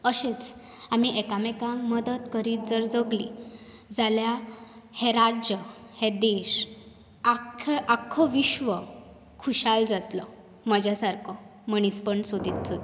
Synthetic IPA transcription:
əɕet͡s | am̤iʔekamekãŋməd̪ət̪kəɾiːd͡zəɾd͡zəɡlḭd͡zaljaheɾad͡ʑjəhed̪eɕ | akʰeʔakʰɔʋiɕʋə | kʰuɕald͡zat̪lɔ | məd͡ʑjasaɾkʰɔməɽ̃ispəɳsod̪ʱit̪sʰod̪

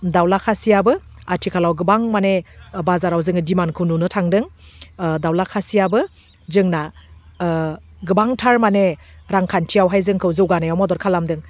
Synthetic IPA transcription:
dawlakʰasijabɯatʰikʰalawɡɯbaŋmanebazaɾawzɯŋɯdimankʰɯwnunɯtʰaŋdɯŋ | dawlakʰasijabɯ | zɯŋna | ɡɯbaŋtʰaɾmaneɾaŋkʰantʰijawɦajzɯŋkʰɯwzɯwɡanajawmɔdɔɾkʰalamdɯŋ

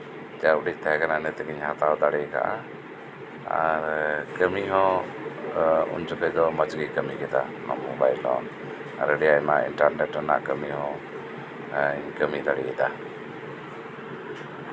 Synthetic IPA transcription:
t͡ʃaʔɖict̪aɦɛkananɛt̪ɛkiɲhat̪awd̪aɽɛka̰ʔa | a̰ɾkəmiɦɔ̃ | ṵɲt͡ʃɔkɛd̪ɔmət͡ʃɡikəmikɛt̪a̰nɔ̰mɔbajlɔ̰̃ | a̰ɾəɖɛjamaʔḭnʈaɾnɛʈɾana̰ʔkəmiɦɔ̃ | ɲkəmid̪aɽḭkɛt̪a

